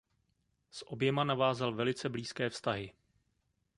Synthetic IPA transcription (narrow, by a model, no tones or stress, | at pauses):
sʔo̞bjɛmanavaːzalvɛlɪt͡sɛbliːskɛːfst̪aɦɪ